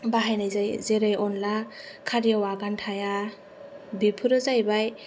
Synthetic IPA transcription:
baɦajnajzajzeɾajɔnlakʰaɾijawaɡantʰaja | bipʰɯɾɯzajbaj

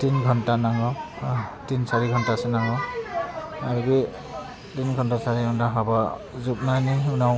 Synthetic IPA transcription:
tinɡʱɔntanaŋɔ | tinsaɹiɡʱɔntasɛnaŋɔ | aɹɡi | tinɡʱɔntasaɹiɡʱɔntaɦɔbɔ | zup̚najniunaw

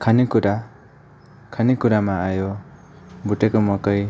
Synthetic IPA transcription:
kʰanikuɾa | kʰanikuɾamaajo | buʈekɔmɔkʌj

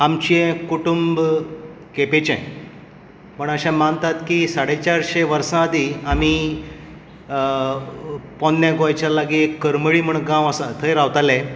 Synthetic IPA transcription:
amt͡ɕiɛ̃kuʈumb | kepet͡ɕɛ̰̃ | pəɳəɕãmant̪at̪kisaɽet͡ɕaɾɕeʋəɾsãəd̪iami | pɔnːjãɡoajt͡ɕalaɡikːəɾməɭiːm̤əɳɡãʋəsat̪ʰəjɾaʋt̪alẽ

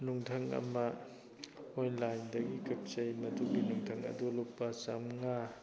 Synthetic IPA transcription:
nuŋtʰɐŋɐ̰mɐ | ojnlajndɐɡikɐp̚t͡ʃɐjmɐduɡinuŋtʰɐŋɐ̰dulupːɐsɐmŋa

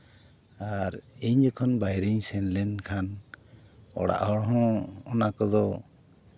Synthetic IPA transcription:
aɾiɲd͡ʒɔkʰɔnbajɾiɲsɛnlɛnkʰan | ɔ̰ɽa̰ʔɦɔɽɦɔ̃ːnakɔd̪ɔ

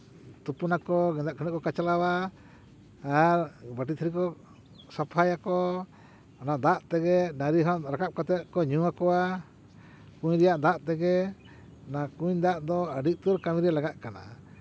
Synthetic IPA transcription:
t̪upunakɔɡɛd̪aʔkʰɔnɛʔ̚kɔkat͡ʃalawa | ɾbəʈit̪ʰɾikɔ | sapʰajakɔ | ɔnaʔd̪aʔt̪ɛɡɛnaɾiɦɔʔɾakap̚kat̪ɛt̪̚kɔɲuwakɔwa | kũɲɾɛjaʔd̪aʔt̪ɛɡɛ | nakuɲd̪aʔd̪ɔəɖiʔt̪uɾkamiɾalaɡaʔkana̰

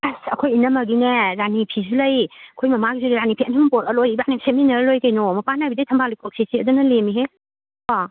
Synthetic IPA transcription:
asɐkʰojinɐmɐɡineɾanipʰizulɐjɐkʰojmɐmaɡizulɐjɾanipʰiɐnɐmɐpoɾɐlojbaniseminɐɾɐlojkɐjnomɐpanajbidɐjtʰɐmbʰʱalijkʰok̚sesiɐdunɐlemiɦe | a

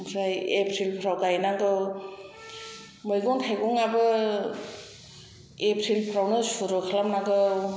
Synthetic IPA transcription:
msajepʰɾilpʰɾawkajnaŋɡɯw | mɯjɡɔŋtʰajɡɔŋabɯ | epʰɾilpʰɾawnɯsuɾɯkʰalamnaŋɡɯw

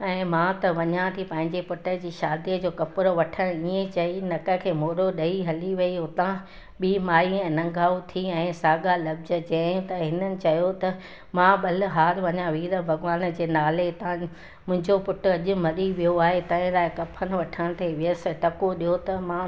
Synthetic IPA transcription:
ɛ̃ːmãt̪ɐʋɐɲãt̪ʰipɐ̃ɦɪ̃ɲd͡ʑepʊʈəd͡ʑiːʃaːd̪iəd͡ʑoːkɐpʊɾoʋɐʈʰəɽ̃iẽt͡ɕɐinɐkə̆kʰeːmoːɾoɗɐiɦɐliʋɐiʊt̪ã | ɓiːmaːiɛ̃ːnɐ̃ŋɡʱaːut̪ʰiɛ̃ːsaːɡalɐbzəd͡ʑɐ̃ũt̪ɐɦɪnənɪ̆t͡ɕɐjot̪ɐ | mãɓɐl̆ɦaːɾʋɐɲãʋiːɾəbʱɐɡʋaːnd͡ʑeːnaːlet̪ã | mʊ̃ɦɪ̃ɲd͡ʑopʊʈʊɐʄʊ̆mɐɗiʋijoaːɦet̪ɐ̃ɪ̃laːɪkɐpʰən̆ʋɐʈʰəɽ̃t̪ʰeʋɪəs̆ʈɐkoɗijot̪ɐmã

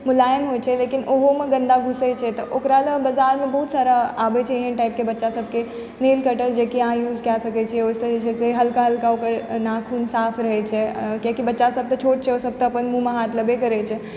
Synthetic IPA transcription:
mʊlaːjəmɦot͡ʃʰɛleːkinoɦomẽɡə̃nd̪aɡʱʊset͡ʃʰɛt̪ɔʔokɾaləbəzaːɾmẽbəɦut̪saːɾaaːbet͡ʃʰaɦiɦɛ̃ʈaɪp̚kebɐtːʃasəb̚ʱke | neːlkəʈəɾd͡ʒekiaːjuːd͡ʒkasəkɛt͡ʃʰiɛoːseet͡ʃʰɛseɦɐlkaɦɐlkaokəɾnakʰuːnsaːpʰɾəɦɛt͡ʃʰɛkjakibɐtːʃasəb̚t̪ət͡ʃʰoːʈt͡ʃʰɛosəb̚t̪əːpənmũmẽɦaːt̪ləbekəɾɛt͡ʃʰɛ

